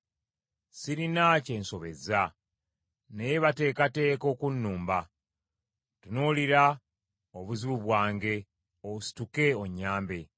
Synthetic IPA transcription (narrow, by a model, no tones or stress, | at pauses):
siɾinace̞ːnso̞βe̞̰za | nejeβate̞ːkate̞ːko̞kunːuːmba | tunuliɾa | oβuziβuβwaːŋɡe̞ | ousi̥tuke̞oɲːaːmbe̞